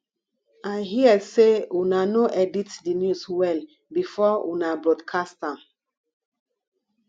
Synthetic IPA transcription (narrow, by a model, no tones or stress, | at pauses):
ajɦiəseunanoʔɛditdinjuswɛl | bifɔunabɹɔdkʰastãm